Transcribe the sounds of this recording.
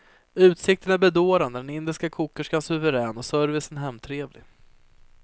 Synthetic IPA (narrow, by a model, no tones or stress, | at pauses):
ʉ̟ːt̪sɪk̚t̪ənæɾbɛd̪oːɾand̪əd̪ɛnɪnd̪ɪskakʰuːkːəʂkasɵvəɾɛːnɔsœɾvɪsənɦɛmːt̪ʰɾeːvlɪɡ